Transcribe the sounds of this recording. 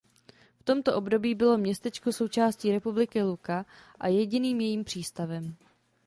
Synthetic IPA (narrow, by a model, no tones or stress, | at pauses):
ft̪o̞mt̪o̞ʔo̞bdo̞biːbɪlo̞mɲɛst̪ɛt͡ʃkoso̞wt͡ʃaːsciːɾɛpublɪkɪlukaʔajɛɟɪniːmjɛjiːmpr̝̥iːst̪avɛm